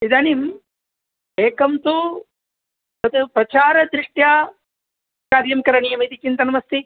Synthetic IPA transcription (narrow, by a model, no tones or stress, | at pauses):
id̪anim | eːkɐmt̪u | tɐt̪upɾɐt͡ʃaːɾɐd̪ɾiʂʈjaː | kaːɾjɐmkɐɾɐɳijɐmit̪it͡ʃint̪ɐnɐmɐst̪i